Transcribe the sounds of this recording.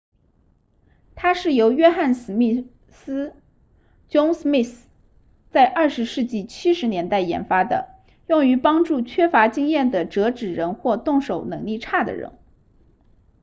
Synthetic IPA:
t̪ʰa˥ʂɻ̩˥˩jo˧˥ʊɥɛ˥xa˥˩nsɹ̩˨˩mi˥˩ | sɹ̩˥ | t͡ɕjʊ˥ŋsmi˥˩θ | t͡sa˥˧ɪʔɐ˞˥˩ʂɻ̩˧˥ʂɻ̩˥˧t͡ɕi˥˩t͡ɕʰi˥ʂɻ̩˧˥njɛ˧˥nt̪a˥˩ɪjɛ̰˧˥nfa˥d̪ə̰˨ | jʊ˥˩ŋy˧˥pɑ˥ŋʈ͡ʂu˥˩t͡ɕʰɥɛ˥fa˧˥t͡ɕi˥ŋjɛ˥˩nd̪ə˩ʈ͡ʂɤ˧˥ʈ͡ʂɻ̩˨˩ɻə˧˥nxwɔ˥˧t̪ʊ˥˩ŋʂo˨˩ʊnɤ˧˥ŋli˥˧ʈ͡ʂʰa˥˩d̪ə̰˩ɻə̰˧˥n

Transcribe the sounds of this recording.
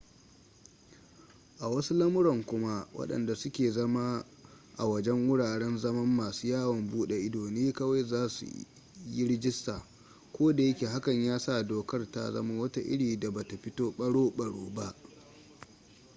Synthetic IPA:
ʔa˨wɐ˦su˦lɐ˦mʊ˦ɾɔ˨ŋkʷʊ˦ma˦wɐ̰˦ɗɐ̰˨nda˨sʊ˦kʲeː˨zɐ˦ma˦ | ʔa̰˨wɐ˦d͡ʒɛ˦ŋwʊ˦ɽaː˨ɽɛ˦nzɐ˦mɐ˦mːaː˨suː˦jaː˦wɐ˨mbuː˦ɗe˨ʔɪ˦doː˨neː˦kɐ˦wa˦jzaː˦sṵ˨ | ji˦ɾɪ˦d͡ʒɪ˦staː˨ | kʷoː˦da˨jɐ˦kʲe˨ɦa˦kɐ˨ɲjaː˦sa˦˨doː˨kɐ˦rta̰˦zɐ̰˦ma˦wɐ˦ta˦ʔɪ̰˦ɽiː˨da˨ba˨ta˨ɸɪ˦toː˦ɓɐ˦ɽoː˦ɓɐ˨ɽoː˦ba˦ʔ

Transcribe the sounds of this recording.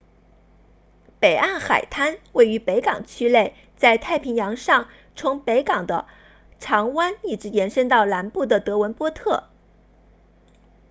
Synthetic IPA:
pe˨˩ɪʔa˥˩nxa˨˩ɪt̪ʰa˥nwe˥˩ɪy˧˥pe˧˥ɪkɑ˨˩ŋt͡ɕʰy˥le˥˧ɪ | t͡sa˥˧ɪt̪ʰa˥˩ɪpʰi˧˥ŋjɑ˧˥ŋʂɑ˥˩ŋ | t͡sʰʊ˧˥ŋpe˧˥ɪkɑ˨˩ŋd̪ə̰˦ | ʈ͡ʂʰɑ˧˥ŋwa˥ni˥˩ʈ͡ʂɻ̩˧˥jɛ˧˥nʂə˥nt̪ɑ˥˩ʊla˧˥npu˥˩d̪ə˩t̪ɤ˧˥wə˧˥npwɔ˥t̪ʰɤ˥˩

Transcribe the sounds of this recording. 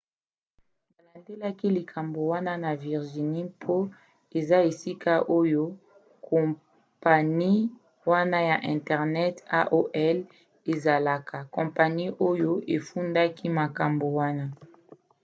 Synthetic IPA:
ba˨la˨nde˦la˦ki˦li˨kʰa˨mbo˨wa˦na˦na˨vi˨ʁʒi˨ni˦pʰo˦ | e˨za˦e˨si˦ka˦ʔo˦jo˦ | kʰɔ̃˨ | pa˨ni˦ | wa˦na˦ja˨ʔɛ̃˨ntɛ˨ʁnɛ˦ta̰˦ʔo˦ʔɛ˦l | e˨za˨la˨kʰa˨kɔ̃˨mpa˨ni˦ʔo˦jo˦ʔe˨fu˦nda˦kʰi˦ma˨ka˨mbo˨wa˦na˦

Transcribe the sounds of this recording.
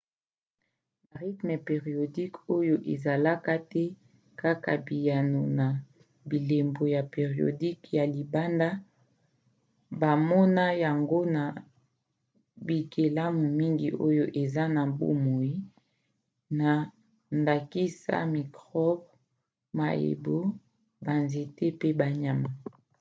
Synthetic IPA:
ba˨ʁi˦tme˨pe˨ʁi˨o˨di˦ko˦jo˦ʔe˨za˨la˦ka˦tɛ˦ | ka˦ka̰˨bi˨ja˨no˨na˨ | bi˨le˨mbo˨ja˨pe˨ʁi˨o̰˨di˦kja˨li˨ba˦nda˦ | ba˨mɔ˦na˦ja˨ŋɡo˦na˨ | bi˨kʰe˨la˦mu˨mi˦ŋɡḭ˨ʔo̰˦jo˦ʔe˨za˦na˨bo̰˦mo˨i˦ | na˨ | nda˨ki˦sa̰˦mi˨kʁɔ˦b | ma̰˨ḛ˨bo˦ | ba˨nze˨tɛ˦pe˦ba˨ɲa˨ma˨

